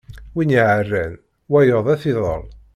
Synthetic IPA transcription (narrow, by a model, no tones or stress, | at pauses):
winiʕərːæn | wæjoðˤæθiðˤə̰l